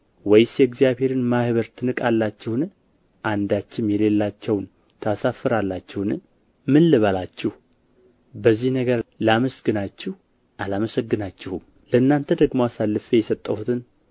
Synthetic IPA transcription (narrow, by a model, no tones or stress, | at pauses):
wɔjsjɛɡzijaβhe̞ɾɨnmahɨβəɾt̪ʰɨnɨkʼalːat͡ʃːɪhn | ʔand̪at͡ʃːɪmjɛle̞lːat͡ʃːɛwn | t̪ʰasafɨɾalːat͡ʃːɛhn | mɨnːɨβalat͡ʃːɪh | bəzːihnəɡəɾlaməsɡɨnat͡ʃːɪh | ʔalaməsəɡːɨnat͡ʃːɪhum | ləɨnːant̪ʰəd̪əɡmowasalːɨfejɛsət̪ʼːəhut̪ʰɨn